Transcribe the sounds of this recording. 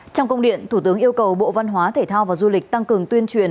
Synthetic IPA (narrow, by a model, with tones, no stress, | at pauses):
t͡ɕɔ˧wŋ͡mkə˧ŋ͡mɗḭ˧˨ənt̪ʰu˧˩t̪ɨ˨˦əŋʔi˧əwkə˨˩wɓo̰˧˨va˧nɦwaː˨˦t̪ʰe˧˩t̪ʰaː˧wvaː˨˩zu˧lï˨˩k̟̚t̪a˧ŋkɨ˨˩əŋt̪wi˧ənt͡ɕwḭ˧˨ən